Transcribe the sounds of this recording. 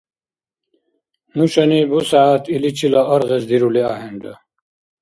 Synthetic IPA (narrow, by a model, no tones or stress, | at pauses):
nuɕɐnibusaːt̪ilit͡ɕʰilaɐɾʁesd̪iɾuleaːɦeɳɖɐ̰